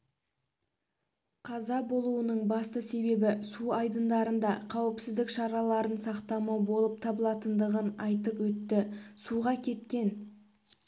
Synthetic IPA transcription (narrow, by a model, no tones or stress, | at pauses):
qʰɑzɑbo̞lˠuwənəɴbɑst̪əse̞be̞bɪsuɑjd̪ənd̪ɑɾənd̪ɑqʰɑwɪpsɪzd̪ɪkʃɑɾɑlˠɑɾənsɑqt̪ɑmɑwbo̞lˠəp̚t̪ʰɑbəlˠɑt̪ənd̪əʁənɑjt̪əpwɵt̪ːɪsuʁɑkʲʰe̞t̪̚kʲe̞n